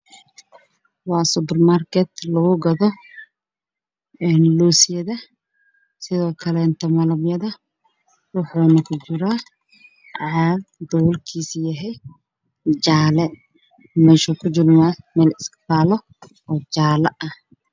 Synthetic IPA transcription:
wɑːsʊpɛrmarkʰɛt̪lɐɣʊɡɐðɔ | ɛːnluːsɪjɐðɐ | sɪðɔːkʰɐlɛnt̪ʰɐmɐlɐbjɐðɐ | wʊħuːnɐkʰʊt͡ʃɪɾaː | ʕadd̪ɔwlkʰiːsjɐɦɛj | d͡ʒaːlɛ | mɛːʃɔkʰʊt͡ʃɪrmaːmɛːlɪskfaːlɔ | ɔːd͡ʒaːlɐʔɐh

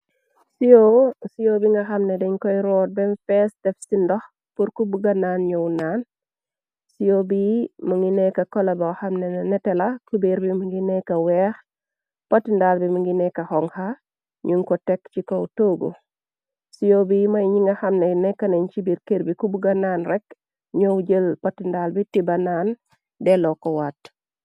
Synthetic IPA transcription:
sijosijobiŋɡɐxɐmnɛdɛɲkɔjɾɔːt̚bɛnfɛːsdɛfsindɔx | puɾkubuɡɐnaːnɲɔwnaːn | sijobimɐŋinɛkɐkɔlɐbɐxɐmnɛnɐnɛtɛlɐkubeɾbimuŋɡinɛkɐwɛːx | pɐtːindaːlbiməŋɡinɛkɐhɔŋha | ɲuŋkɔtɛkt͡ʃikɔwtoɡṵ | sijobimɐjɲiŋɐhɐmnɛnɛkːɐnɛɲt͡ʃibiɾkeɾbikubuɡɐnaːnrɛk | ɲowd͡ʒəlpɐtːindaːlbitibɐnan | dɛlɔkɔwat

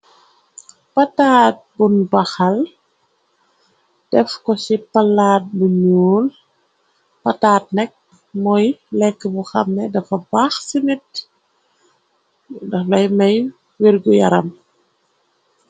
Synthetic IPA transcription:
pɐtaːt̚bunbɐxɐl | d̥ɛfkɔsipɐlːaːt̚buɲuːl | pɐtaːt̚nɛk̚ | mɔjlɛkːəbuxɐmːɛdɐfɐbaxsinit̚ | dɐxlɐjmɐj | wirɡujɐɾɐm

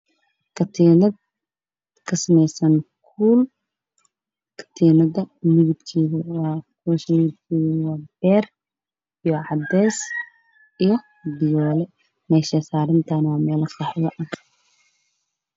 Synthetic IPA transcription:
kʰɐt̪ʰiːnɐd̪ | kʰɐsɐmɛjsɐnkʰuːl | kʰɐ̥t̪ʰiːnɐðɐmɪɣɪb̪kʰiːɣɐwɑːkʰuʃɪb̪̚kʰiːwɑːb̥ɛːr | ijɔʕɑd̪ɛjs | ijɔ | bɪjɔːlɛ | mɛːʃɛsaːɾɪnt̪ʰɐnaːmɛːlɐkʰɑħwɐʔɐ

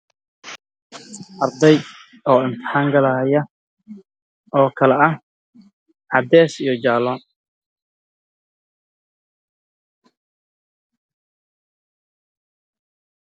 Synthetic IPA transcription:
ʔɐrd̪ɛj | ɔːɪnt̪ʰɪ̥ħaːŋɡɐlɐjɐ | ɔːkʰɐlɛɐh | ʕɑd̪ɛːsijɞd͡ʒaːlɔːn

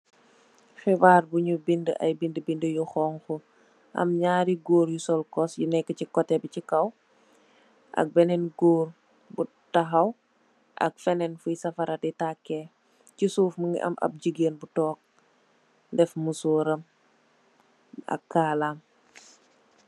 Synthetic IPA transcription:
xibaːɾbuɲubindəʔɐ̰jbindəbindəjuxɔːŋxu | ʔɐ̰mɲaːɾiɡoːɾjusɔlkɔsjunɛkːəcikɔtːɛbicikɐw | ʔɐ̰k̚bɛnɛnɡoːr | bu | tɐɦɐw | ʔɐ̰kfɛnɛnfujsɐfɐɾɐtitakːɛ | cisuːfməŋɡḭʔɐ̰mʔɐ̰p̚ɟiɡenbutɔːk̚ | ndɛfmusuːɾɐm | ɐ̰kːaːlaːm

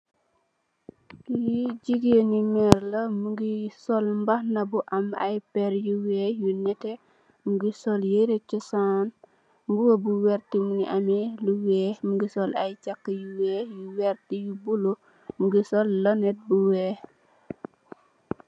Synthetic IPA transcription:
jiɟiɡenimɛɾlɐmuɡisɔlmbahnɐbuʔama̰jpɛɾjuwɛːjunɛtɛ | muɡisɔljeɾet͡ʃːusaːn | mbuwobuwɛɾtimuniʔamiluwɛːmuɡisɔlajt͡ʃakːəjuwɛjuwɛɾtijubulo | muɡisɔlːɔnɛt̚buwɛː

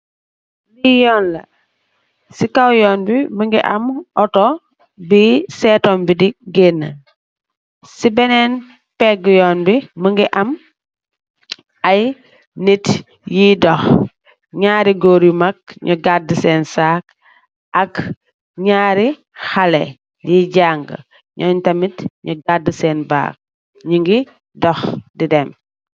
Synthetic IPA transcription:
lijɔːnlɐ | sikawjɔːnbiməŋɡiʔɐmʔɔtɔ | bisɛːtɔːmbidiɡenːə | sibɛnɛn | pɛɡjɔːnbiməŋɡiʔɐm | aj | nit | jiːdɔx | ɲaːɾiɡoːɾjumɐk̚ɲuɡadəsɛːnsaːk̚ | ʔɐk | ɲaːɾi | xɐlɛ | jiːɟaːŋɡə̰ | ɲɔːntɐmitɲuɡadəsɛːnba̰ːk̚ | ɲuŋɡi | dɔxdidɛm

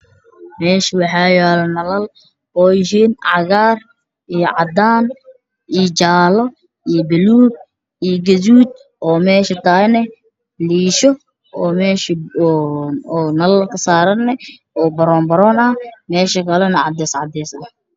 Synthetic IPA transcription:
mɛːʃɪwɑħɑːjɛːlɐnɐlɐl | ɔːjɪɦiːnʕɑ̰ɣaːr | ijɔʕɑ̰d̪aːn | ʔiːt͡ʃaːlɔ | ijbɪluːb̚ | ijɡɐðuːd̪̚ | ɔːmɛːʃɐt̪ʰaːnɛ | liːʃɔ | ɔːmɛːʃ | nɐlɐlkʰɐsaːɾɐnːɛ | ɔːbɐɾɔːnbɐɾɔːnɐmɛːʃɐkʰɐlɛnɐʕɑd̪ɛːsʕɑ̰d̪ɛːsd̪ɐ

